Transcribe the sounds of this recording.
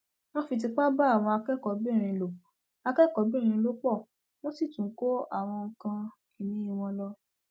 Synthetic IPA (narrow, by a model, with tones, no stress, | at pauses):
nɔ̃˦fi˧t̬i˧k͡pa˦ba˦a˦˨w̃ɔ̃˧a˧kɛ˦kɔ˨˦bi˦˨ɾ̃ĩ˧˨lo˨ | a˧kɛ˦kɔ˨˦bi˦˨ɾ̃ĩ˧lo˦k͡pɔ˦˨ | lo˦ti˦˨tũ˨˦˨ko˦a˦˨w̃ɔ̃˧ŋ̩˧kã˧ | i˨nĩ˨˦i˦˧w̃ɔ̃˧lɔ˧˦